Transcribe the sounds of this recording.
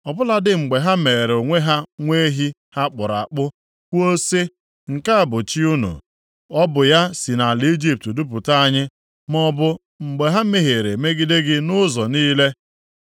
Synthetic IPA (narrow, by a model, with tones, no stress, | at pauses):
ɔ˨bʊ˦la˦dɪ˦ŋ͡m̩˨ɡ͡be˨ɦa˦me˨ɾo˨ŋʷe˦ɦa˦ŋʷe˦ɦi˦ | ha˦k͡pʊ˨ɾa̰˨k͡pʊ˦ | kʷo˦se˦ | ŋ̩˨ka˦a˦˨bʊ˨t͡ʃi˦u˦nṵ˨ | ɔ˦bʊ˨ja˦si˨na˨li˦d͡ʒi˦p̚tdu˦p̬ʊ˨ta˦a˦ɲɪ˦ | mɔ˦bʊ˦ | ŋ͡m̩˨ɡ͡be˨ɦa˦me˨ɦe˨ɾe˨me˦ɡi˦de˦ɡɪ˦nʊ˦zɔ˨niː˦le˦